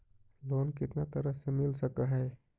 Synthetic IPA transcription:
loːnkɪt̪nat̪əɾəɦsemɪlsəkəɦɛː

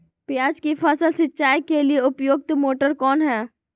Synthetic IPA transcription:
pjaːd͡ʒkifʰaːsəlsɪtːʃaːjkelieʊpjoːɡ̚t̪moːʈəɾkɔːnɦɛː

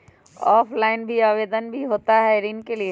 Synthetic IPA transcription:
ɔːpʰlaːɪnbʱiaːʋeːd̪ənbʱiɦoːt̪aɦɛɾinkelie

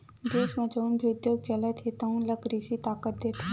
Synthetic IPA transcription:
d̪eːsmɐ̃d͡ʒəunbʱiʊd̪joːɡ̚t͡ʃɐlət̪ʰet̪ɐunlɐkɾisit̪aːkət̪̚d̪eːt̪ʰː

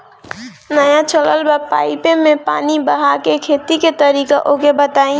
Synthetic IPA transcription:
nəjãt͡ʃʰələlbəpaːɪpemẽpa̰ːnibəɦakekʰeːt̪iket̪əɾikaʔokebət̪aːĩ

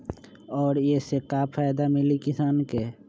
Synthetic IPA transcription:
ɔːɾjesekaːpʰaːjd̪amɪlikɪsaːnke

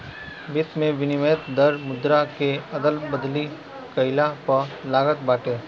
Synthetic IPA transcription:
bɪt̪mẽʋɪnɪməət̪d̪əɾmʊd̪ɾakeɐd̪əlbəd̪li | kɐɪlapɐlaːɡət̪baːʈeː

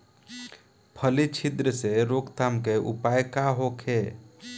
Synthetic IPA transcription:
pʰəlit͡ʃʰid̪ɾəseɾokt̪amkeʔṵpajkaɦokʰe

